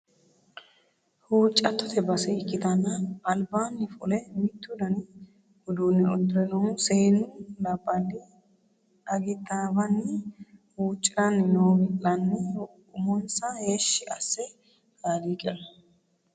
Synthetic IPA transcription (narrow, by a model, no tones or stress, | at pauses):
huːt͡ʃʼːɐt̪ːɔt̪ʰɛbɐsɛɪkːɪt̪ɐnːɐːlbaːnːɪfʊlɛmɪt̪ːʊd̪ɐnɪ | hʊd̪uːnːɛɔd̪ɾɛnɔseːnʊlɐbːɐd̪ɪ | ɐɡɪt̪ːabɐnːɪhuːt͡ʃʼːɪɾɐnːɪnoːɡɪlɐnːɛ | ʊmɔnsɐheːʃːɪɐsːɛ | haːliːkʼɛʔɐ